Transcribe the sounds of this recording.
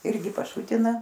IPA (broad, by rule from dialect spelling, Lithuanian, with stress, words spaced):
ˈɪrʲɡʲɪ pɐˈʃʊtʲɪnɐ